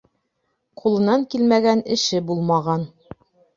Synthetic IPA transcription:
qulˠɤ̆nɑŋkilmæɡænɘ̆ʃɘbulˠmɑʁɑn

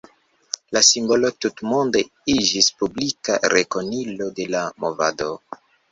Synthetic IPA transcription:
lasimbo̞lo̞tutmunde | id͡ʒispublika̰ɾeko̞nilo̞de̞lamova̰do

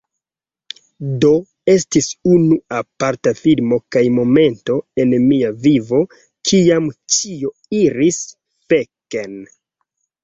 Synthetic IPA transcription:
do̞ | e̞s̬tisunuapaɾtafilmo̞kajmo̞me̞nto̞e̞nmiavivo̞ | kʰiamt͡ʃio | iɾis | feken

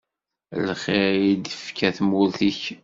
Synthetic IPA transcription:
lχɪɾid̪əfkʰæθmʊɾθiç

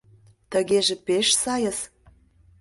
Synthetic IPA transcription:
t̪ə̆ɣeʒĕpeʃsɑjəs

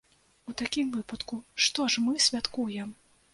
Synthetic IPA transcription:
ut̪akʲimvɨpɐt̪kuʂt̪ɔʂmɨsʲvʲat̪kujɛm

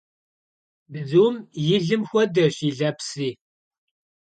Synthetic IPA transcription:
bɨzuwmjɪɮɨmxʷɔdɐɕiːɮɐpsiː

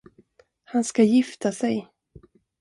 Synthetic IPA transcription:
hanskajɪft̪ʰasɛj

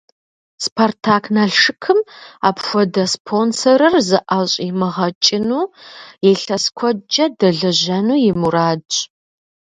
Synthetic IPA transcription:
spʰartʰaːkʰnaːɬʂɨkʰɨma̰ːpxʷɔdɐspʰonsɐɾɨrzɨʔaɕʼimɨʁɐt͡ʃʼɪnuːjɛɬɐskʷʰɔd͡ʒɐdɐɮɐʑɐnuːjɪmuɾaːt͡ʃʼ

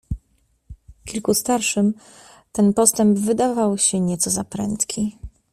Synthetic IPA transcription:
kʲilkust̪aɾʂɘm | t̪ɛnpɔst̪ɛmbvɘd̪avawɕɛɲɛt̪sɔzapɾɛ̰nt̪kʲʰi

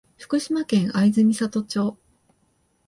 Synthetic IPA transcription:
ɸɯ̟̥kɯ̟ɕimakẽ̞ɰ̃aizɨmʲisat̪o̞t͡ɕo̞ː

